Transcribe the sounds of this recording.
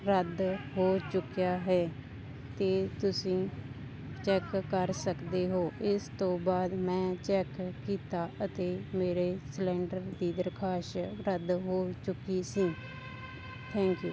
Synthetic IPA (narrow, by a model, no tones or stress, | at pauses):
ɾəd̪ɦoːt͡ʃʊkjaːɦɛː | t̪eːt̪ʊsĩː | t͡ʃɛːkːəɾsəkd̪eːɦoːʔɪst̪õːbaːd̪mɛ̃ːt͡ʃɛːkːiːt̪aːət̪eːmeːɾeːslɛ̃ːɳɖəɾd̪iːd̪əɾkʰaːʃɾəd̪ɦoːt͡ʃʊkiːsĩː | t̪ʰɛ̃ːŋkjṵː